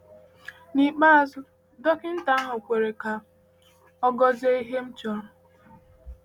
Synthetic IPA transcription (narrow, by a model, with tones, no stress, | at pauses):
ni˨k͡pa˦a˦sʊ˦ | do˦kɪ˦n̩˦ta˨˦a˦ɦʊ˨kʷe˨ɾe˨ka˨ | ɔ˦ɡɔ˦ze˦i˦ɦe˦m̩˦t͡ʃɔ˦ɾʊ˨